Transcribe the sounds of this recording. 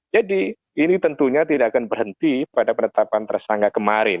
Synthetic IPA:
d͡ʒadi | init̪ənt̪uɲat̪idaʔakanbərɦənt̪ipadapənət̪apant̪ərsaŋɡakəmaɾɪn

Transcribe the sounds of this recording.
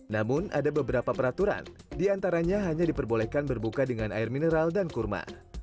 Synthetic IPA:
namʊnʔa̰dabəbəɾapapəɾat̪uɾa̰ndiant̪aɾaɲaɦaɲadipərbolɛhkanbərbukadəŋana̰ɪrminəɾaldankurma̰

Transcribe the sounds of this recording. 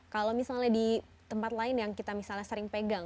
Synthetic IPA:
kalowmisalɲadi | t̪əmpat̪laɪnjaŋkit̪amisalɲasəɾɪŋpeɡaŋ

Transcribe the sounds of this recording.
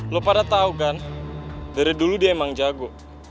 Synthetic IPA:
lopadat̪aukan | daɾiduludiaemaŋd͡ʒaɡɔ

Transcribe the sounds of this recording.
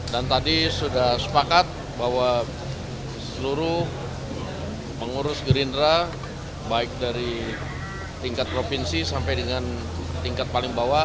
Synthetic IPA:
dant̪adisudahsə̥pakat̪̚ | baɦwa | səluɾʊ | məŋuɾʊsɡəɾindɾa | baɪk̚daɾi | t̪iŋkat̪̚pɾopinsisampajdəŋan | t̪iŋkat̪̚palɪŋbawa

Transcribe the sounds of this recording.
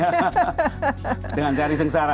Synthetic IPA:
d͡ʒəŋant͡ʃaɾis̬əŋsaɾa

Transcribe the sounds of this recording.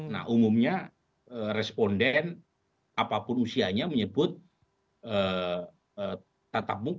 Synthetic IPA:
na̰ʔumumɲa | əːrɛspondɛn | apapʊnusiaɲaməɲəbʊt̪̚ | ə | ə | at̪ap̚mu

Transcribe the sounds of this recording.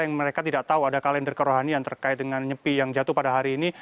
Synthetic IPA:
jaŋməɾekat̪idaʔt̪auadakalɛndərkəɾoɦaniant̪ərkaɪt̪̚dəŋanɲəpijaŋd͡ʒat̪ʊhpadaɦaɾiːni

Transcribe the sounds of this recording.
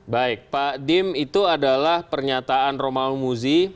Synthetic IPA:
baɪk̚padɪmit̪uadalahpərɲat̪aanromaumuzi

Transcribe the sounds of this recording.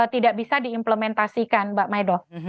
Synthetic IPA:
ət̪idaʔbisadiːmpləmɛnt̪asikanbaʔmajdɔ

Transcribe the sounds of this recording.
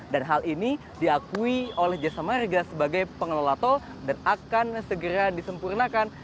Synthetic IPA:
danɦalini | diakuiolɛhd͡ʒasamarɡasəbaɡajpəŋəlolat̪o | danakansəɡəɾadisəmpurnakan

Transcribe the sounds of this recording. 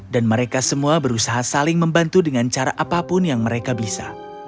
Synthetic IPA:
danməɾekasəmuabəɾusaɦasalɪŋməmbant̪udəŋant͡ʃaɾaʔapapʊnjaŋməɾekabisa̰

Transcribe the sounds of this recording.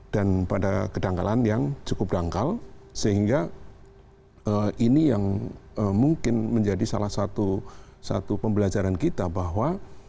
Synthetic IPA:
d̥anpadakədaŋka̰lanjaŋt͡ʃukʊp̚daŋkalsəɦiŋɡa | əʔinijaŋəmuŋkɪnməɲd͡ʒadisa̰lahsat̪u | sa̰t̪upəmbəlad͡ʒaɾankit̪abaɦwa

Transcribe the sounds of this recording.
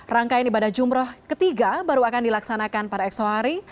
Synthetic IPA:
raŋkaɪnibadahd͡ʒumɾʊhkət̪iɡabaɾuakandilaksanakanpadaɛksoɦaɾi

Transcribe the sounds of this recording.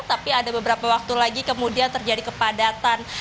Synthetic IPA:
t̪apiadabəbəɾapawak̚t̪ulaɡikəmudiant̪ərd͡ʒadikəpadat̪an

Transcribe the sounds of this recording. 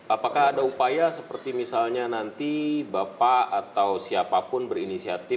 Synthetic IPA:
ʔapakaɦːdaupajasəpərt̪imisalɲanant̪ibapaat̪awsiapapʊnbərinisiat̪ɪ

